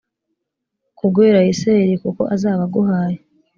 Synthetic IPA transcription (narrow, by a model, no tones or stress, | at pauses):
kuɡweːɾaiseɾikuko̞̰ʔazaːβaɡuhaːje